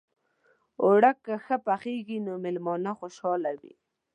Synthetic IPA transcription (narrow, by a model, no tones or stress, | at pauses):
ʊɽakːaxapaχeɡinomɪlmɔnaχoʃɑlawḭ